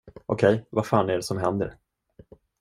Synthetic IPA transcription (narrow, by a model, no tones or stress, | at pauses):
ʔɔkʰɛjvaɾfaːnɛɖɛsɔmɦɛnd̪ə̰ɾ